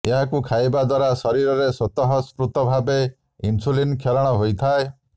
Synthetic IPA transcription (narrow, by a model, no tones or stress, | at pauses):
eɦakukʰajbad̪waɾasɔɾiɾɔɾesɔt̪ɔɦɔspɾut̪ɔbʱabe | insulinkʰeɾɔɽ̃ɔɦojt̪ʰae